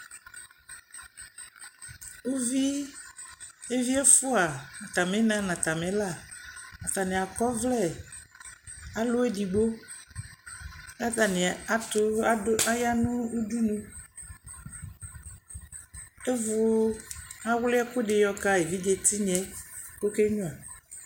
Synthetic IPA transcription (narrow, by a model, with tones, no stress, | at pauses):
u˦vi˦ | e˦vi˦ɛ˦fʊ˦a˨nã˨t̪a˨mɛ̃˨˦nã˦nã˨t̪a˨mɛ̃˨˦la˦˨nã˨t̪a˨nɪ̃˨a˨kɔ˦vlɛ˦˨ | a˨lʊ˦ɛ˦di˨ɡ͡bo˦ | a˦ta˨nɪ˨a˨tʊ˦a˦ja˦nʊ̃˦u˦du˦nũ˦ | e˦vʊ˦ | a˦wlɪ˦ɛ˦kʊ˦ɖɪ˨jɔ˦ka˦e˨vi˦d͡ʒe˨t̪i˦ɲɛ̃˦ko˦ke˦ɲũ˦a˨